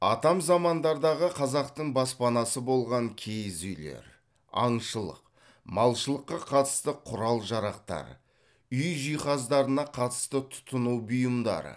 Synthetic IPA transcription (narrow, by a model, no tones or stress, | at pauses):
ɑ̰t̪ɑmzɑmɑnd̪ɑɾd̪ɑʁəqʰɑzɑq̚t̪əɴbɑspɑnɑsəbo̞lˠʁɑŋkʲʰe̞jzʏjle̞̰ɾ | ɑ̰ɴʃəlˠə̰q | mɑlˠʃəlˠəqːɑqʰɑt̪ə̥st̪əqʰʊɾɑlˠʒɑɾɑqt̪ɑ̰ɾ | ʏjʒijχɑzd̪ɑɾənɑqʰɑt̪ə̥st̪ət̪ʰʊ̥t̪ənuwbʊjəmd̪ɑ̰ɾə̰